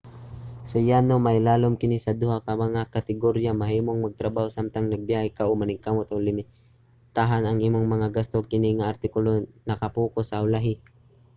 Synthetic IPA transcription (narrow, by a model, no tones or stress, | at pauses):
sʊjanomajlaːlomkɪnisɐd̪ʊhakamɐŋakat̪ɪɡoɾjamaɦiːmoŋmɐɡ̚t̪ɾɐbahosamt̪aŋnɐɡ̚bjahɛkaʔʊmanɪŋkamot̪ʔolɪmɪ | t̪aɦanɐŋʔiːmoŋmɐŋaɡast̪okɪniŋaːɾt̪ɪkʊlonɐkɐpuːkosaʊlaɦɪ